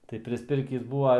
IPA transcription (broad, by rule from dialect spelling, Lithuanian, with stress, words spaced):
tɐɪ pʲrʲɪsʲˈpʲɪrʲkʲiːs ˈbuːʋɐ